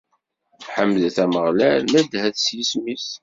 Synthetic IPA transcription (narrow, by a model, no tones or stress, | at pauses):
θħəmːðθæməʁlælmæd̪hæθsjismis